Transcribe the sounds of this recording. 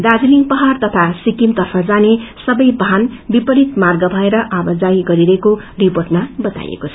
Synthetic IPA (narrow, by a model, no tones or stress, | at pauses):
d̪ad͡ziliŋpʌɦart̪ʌt̪ʰasikimt̪ʌrpʰʌd͡zanesʌbʌjbʱanbipʌɾit̪marɡʌbʱʌeɾʌʔabʌd͡zaiɡʌɾiɾʌeko | riporʈmabʌt̪a̰jḛkot͡sʰʌ